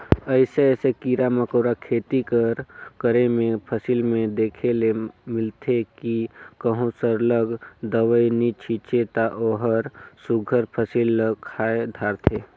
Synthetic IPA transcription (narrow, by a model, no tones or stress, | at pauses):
əɪseɛːsekiːɾaməkoːɾakʰeːt̪ikəɾkəɾemẽpʰəsilmẽd̪eːkʰelemɪlt̪ʰekikəɦũsəɾləɡd̪əʋəjnit͡ʃʰit͡ʃet̪aʔoːɦəɾsuɡʱəɾpʰəsilkʰaːed̪ʱaːɾt̪ʰeː